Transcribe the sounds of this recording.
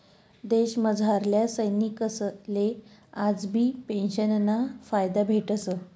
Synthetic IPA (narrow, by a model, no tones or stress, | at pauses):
d̪eɕməd͡zʱaɾljasəjnikəslead͡zbʱiːpenɕənːafajd̪abʱeʈəsə